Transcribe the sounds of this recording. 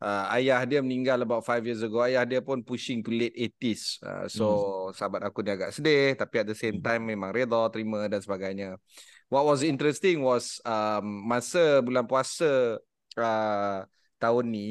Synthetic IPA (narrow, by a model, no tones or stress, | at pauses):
ʔəa̰jahdiəmənĩŋɡaləbawʔfajfjis̬əɡoajahdiəpʊnpuʃɪŋt̪ulet̪̚et̪isə̰sosəabat̪̚akuniaɡaʔsədɪht̪apiɛt̪̚dəsemt̪ãjmːẽmãŋɾed̪ɔt̪əɾimə̃dansəbaɡajɲə | wɔt̚wɔs̬dint̪ɾɛst̪ɪŋwɔsəmːãsəbulanpuasə | ə | t̪aʊnːĩ